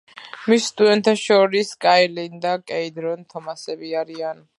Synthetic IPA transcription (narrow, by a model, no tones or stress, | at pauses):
misːt̪ʼud̪ɛnt̪ʰaʃɔɾiskʼajlind̪akʼɛid̪ɾɔnt̪ʰɔmasɛbiaɾian